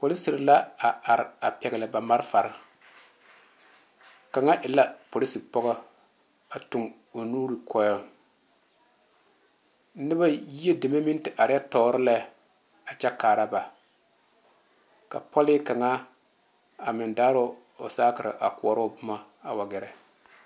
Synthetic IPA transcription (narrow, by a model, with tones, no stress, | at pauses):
po˨li˦si˨ɾla˦a˨a˨ɾɪ˨a˨pɛ˨ɡɪ˨lɨ˨ba˨ma˦ɾfa˨ɾɪ˦ | ka˨ŋa˦ʔɪ˨la˦po˨li˦si˨pɔ˦ɣɔ˦ | a˨tʊ˨ŋ | o˨nuː˦ɾi˨kʰɔ˦jɔ˦ | n̩˦nɨ˦ba˦ji˦e˦de˨me˦mi˦n˦tɪ˨ʔa˨ɾɪ˦ja˦tɔ˨˦ɾɨ˦la˦ | a˨t͡ʃɛ˦kaː˨ɾa˦ba˨ | ka̰˨pɔ˦lɪ˦ka˨ŋa˦ | a˨mɪ˨ndaː˦ɾo˦ | o˨saː˦kɪ˨ɾɪ̰˨ʔa˨kʊ˨ɔ˨ɾo˦˨bʊ˦ma˦ | a˨wa˨ɡɛ˨ɾɛ˨